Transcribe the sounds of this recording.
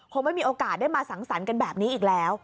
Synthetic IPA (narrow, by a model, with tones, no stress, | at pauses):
kʰo˧ŋma˥˩jmiː˧ʔoː˧kaː˨˩t̪̚da˥˩jmaː˧sa˩˦nsa˩˦nka˧nbɛː˨˩p̚niː˦˥ʔiː˨˩k̚lɛː˦˥w